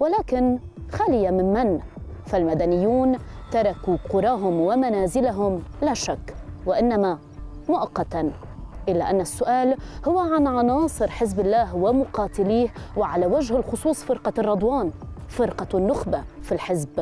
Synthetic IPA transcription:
walaːkɪn | xaːlɪjamɪmman | falmad̪anɪjːuːnt̪ɑɾˤɑkuqʊɾˤɑːɦʊmwamanaːzɪlaɦʊmlaʃakːwaʔɪnːama | mʊʔɑqːɑt̪a | ʔɪlːa̰ʔanːasːʊʔaːlhʊwːaʕanʕɑnɑːsˤɨɾħɪzbɪlːaːɦwamʊqɑːt̪ɪliːhwɪʕalawaʒhɪlxʊsˤuːsˤfɪɾqɑrˤːɑd̪ˤwɑːnfɪɾqɑnːʊxbafilħɪzb

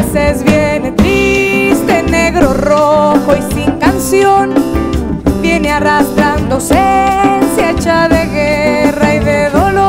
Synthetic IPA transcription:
sezβjene̞t̪ɾist̪e̞ne̞ɣɾoroxoisiŋkansjon | bje̞nearast̪ɾand̪osensjet͡ʃaðe̞ɣeraiðeðolo

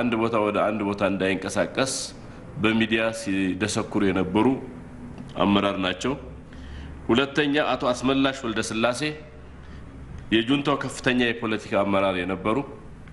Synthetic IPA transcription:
and̪bo̞t̪ʰawɔd̪əand̪bo̞t̪ʰaɨnd̪ajɨŋkʼəsakʼːəs | bəmid̪ijasid̪əsəkːuɾujɛnəbːəɾu | a̰mːəɾaɾnat͡ʃːɛw | hulət̪ːəɲːaʔat̪ʰoasməlːaʃwɔld̪əsɨlːase̞ | jɛd͡ʒunt̪ʰowkʰəfːɨ̥t̪ʰəɲːajɛpʰo̞lət̪ʰi̥kʰaːmːəɾaɾjɛnəbːəɾu

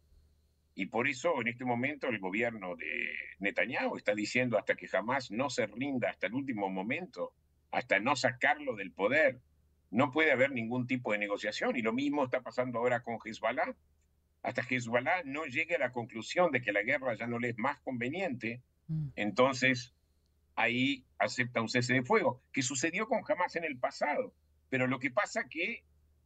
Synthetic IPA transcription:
ipo̞ɾeso̞enest̪emõ̞mẽ̞nt̪oelɣo̞β̞jeɾno̞ðḛnet̪aɲjawest̪aðisjend̪oast̪akexamazno̞serind̪aːst̪aelult̪̬imomõ̞mẽ̞nt̪o | a̰st̪ano̞sakaɾlo̞ðelpo̞ðeɾ | no̞pwe̞ðeaβ̞eɾnĩŋɡunt̪̬ipo̞ðeneɣo̞sjasjo̞nilo̞mizmoest̪apasand̪oaoɾako̞ŋxezβala | a̰st̪axez̬βwalano̞ʒeɣealako̞ŋklusjo̞nd̪ek̬elaɣ̞eraʒano̞leezmasko̞mbe̞njẽ̞nt̪eː | nt̪o̞nses | aiasep̚t̪aunses̬eðefwe̞ɣo̞kes̬us̬e̞ðjo̞ko̞ŋxamasenelpasaðo̞ | peɾo̞lo̞kepasake

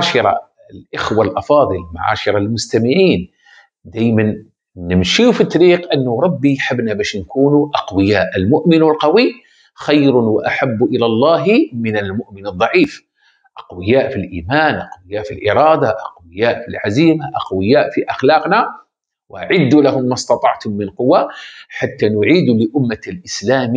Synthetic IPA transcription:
aːʃɪɾˤɑ̰ | lʔɪxwalʔɑfɑːðˤɨlma̰ʕa̰ːʃɪɾˤɑlmʊst̪amɪʕiːn | d̪aːjman | nːɪmnʃiːfit̪ˤːɑɾiːqʔanːʊɾˤɑbːijħɪbnabaːʃnkuːnuʔɑqwɪjaːʔɪlmʊʔmɪnɪlqɑwi | xajɾʊwaʔaħabːʔɪlalˤːɑːɦmɪnalmʊʔmɪnɨd̪ˤːɑʕiːf | ʔɑqwɪjaːʔfilʔiːmaːnʔɑqwɪjaːʔfilʔɪɾˤɑːd̪aʔɑqwɪjaːʔfilʕaziːmaʔɑqwɪjaːʔfiʔaxlɑːqna | wʔa̰ʕɪd̪ːulahʊmːɑst̪ɑt̪ˤɑʕt̪hʊmːɪnqʊwːaħat̪ːanʊʕiːd̪lɪʔʊmːalʔɪslaːm

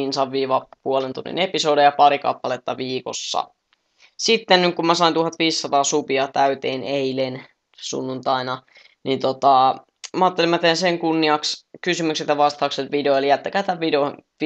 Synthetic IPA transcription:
insɑʋʋiːʋɑpuolent̪unːḭnepisoːdejɑpɑɾikɑ̰pːɑlet̪ːɑʋiːko̰sːɑ̰ | sit̪ːennykkumæsɑint̪uhɑt̪ʋiːssːɑt̪ɑːsupiɑt̪æyt̪eːneilen | sṵnːunt̪ɑinɑ | nint̪ot̪ɑ | mɑːt̪ːelimːæt̪ejænseŋkunːiɑkskysymykset̪jɑʋɑst̪ɑːkset̪ʋideoelijæt̪ːækæːt̪æʋʋideo

